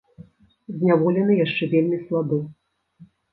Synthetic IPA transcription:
zʲnʲavɔlʲɛnɨjaʂt͡ʂɛvʲelʲmʲislˠab̪ɔ

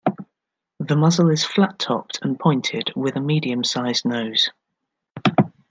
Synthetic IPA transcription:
ðəmʌzəlɪz̥flatʰɒ̰p̚tʰə̃npʰɔ̃ɪ̃ntʰɪd̥wɪðəmiːdiə̃msaɪznəʊz̥

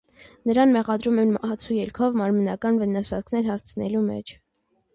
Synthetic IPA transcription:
nəɾɑnmɛʁɑd̪ɾumɛnɑt͡sʰujɛlkʰɔvmɑɾmənɑkɑnvənɑsvɑt͡skʰnɛɾhɑst͡sʰənɛ̰lumɛ̰t͡ʃʰ

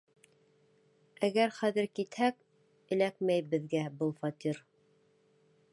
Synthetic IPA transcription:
æɡæɾχæðɘ̆ɾkit̪hæk̚ | ɘ̆lækmæjbɘ̆ðɡæbɤlˠfɑt̪ʲiɾ

